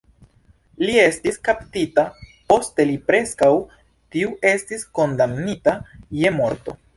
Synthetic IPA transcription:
lie̞stiskaptitapo̞ste̞lipɾe̞skaw | tiuʔe̞stisko̞ndamnitaje̞mo̞ɾto̞̰

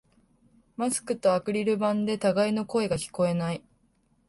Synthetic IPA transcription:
masɨ̥kɯ̟t̪o̞akɯ̟ɾʲiɾɯ̟bãnd̪e̞t̪aɡaino̞ko̞e̞ɡakʲi̥ko̞e̞nai

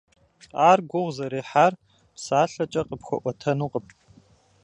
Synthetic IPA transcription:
aːrɡʷʊʁzɐɾeːħaːr | psaːɬɐt͡ʃʼɐqəpxʷɔ̰ʔʷɔtʰɐnuːqəpʼ

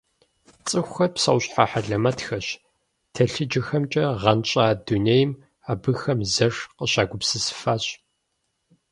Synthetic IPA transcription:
t͡sʼɨxʷxɐpsɐ̰wɕʼħaħaɮɐmɐtxɐɕ | tʰɐɬɨd͡ʒɪxɐmt͡ʃʼɐʁɐnt͡ʃʼaːdunejɪm | aːbɨxɐmzɐʂqəɕaːɡʷʊpsɨsɨ̥faːɕ

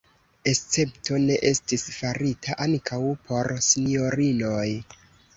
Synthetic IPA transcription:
e̞st͡se̞pto̞ne̞ʔe̞stisfaɾitʰaʔankʰawpʰo̞ɾsinio̞ɾino̞j

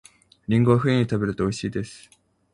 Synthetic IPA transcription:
ɾʲĩŋɡo̞βaɸɯ̟ẽɲ̟it̪abe̞ɾɯ̟t̪o̞ːiɕiːd̪e̞sɨ̥

